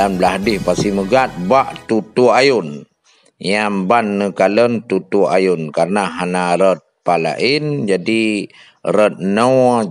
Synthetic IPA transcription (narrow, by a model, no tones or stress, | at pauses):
anblaɦdɪhpasiməɡat̪̚baʔt̪ut̪uajun | jambanːəkalənt̪ut̪uajʊnkaɾənaɦanaɾət̪̚pala̰ʔind͡ʒadi | rət̪̚nə